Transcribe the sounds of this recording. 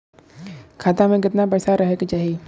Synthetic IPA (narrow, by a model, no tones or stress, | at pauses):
kʰaːt̪amẽkɪt̪nabɐɾsaɾɐɦekt͡ʃaːɦie